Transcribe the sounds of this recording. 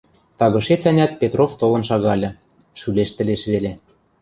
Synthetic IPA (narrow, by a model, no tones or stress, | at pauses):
t̪ɑɣɤ̆ʃet͡sænʲɑt̪̚pʲet̪roft̪olɤ̆nʃɑɣɑlʲɤ̆ | ʃyleʃt̪ɘ̆leʃβelʲe